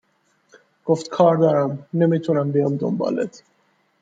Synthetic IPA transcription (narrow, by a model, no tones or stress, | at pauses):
ɡ̥oft̪kʰɒːɾd̪ɒːɾæmne̞miːt̪ʰunæmbijɒmd̪o̰mbɒ̰ːlḛt̪ʰ